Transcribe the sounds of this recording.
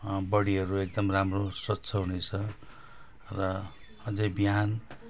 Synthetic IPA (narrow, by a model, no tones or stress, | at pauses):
bʌɽiɦʌɾuek̚d̪ʌmramroswʌtːsʰʌɦunet͡sʰʌ | rʌ | ʌd͡zʌjbiɦan